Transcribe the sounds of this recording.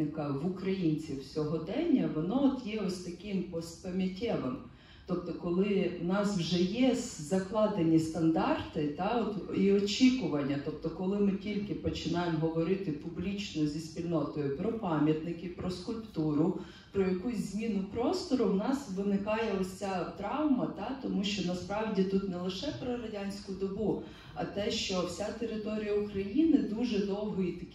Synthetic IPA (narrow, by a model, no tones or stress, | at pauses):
ɪkɐʋʊkɾɐjinʲt͡sʲiwsʲɔɦɔd̪ɛnʲːɐʋɔnɔɔt̪jɛɔsʲt̪ɐkɪmpɔspɐmʲɐtʲɛʋem | t̪ɔp̚t̪ɔkɔlˠɪwnɑswʒɛjɛzɐklˠɑd̪enʲist̪ɐnd̪ɑrt̪ɪt̪ɑɔt̪iɔt͡ʃʲikʊʋɐnʲːɐt̪ɔp̚t̪ɔkɔlˠɪmɪtʲilʲkɪpɔt͡ʃɪnɑjemɦɔʋɔɾɪt̪ɪpʊblʲit͡ʃʲnɔzʲisʲpʲilʲnɔt̪ɔjʊpɾɔpɑmʲjɐt̪nɪkɪpɾɔskʊlʲpt̪uɾʊ | pɾɔjɐkusʲzʲmʲinʊpɾɔst̪ɔɾʊwnɑsʋɪnɪkɑjɛɔt͡sʲat̪ɾɑwmɐt̪ɑt̪ɔmuʃt͡ʃɔnɐspɾɑʋdʲit̪ut̪nɛlˠɪʃɛpɾɔɾɐdʲanʲsʲkʊd̪ɔbu | ɐ̰t̪ɛʃt͡ʃɔwsʲat̪eɾɪt̪ɔɾʲijɐukɾɐjinɪd̪uʒɛd̪ɔwɦɔit̪ɐkʲ